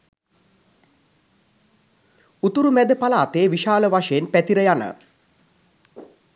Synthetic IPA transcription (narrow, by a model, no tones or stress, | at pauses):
ut̪uɾumæd̪əpalaːt̪eːʋiʃaːləʋaʂəjenpæt̪iɾəjanə̰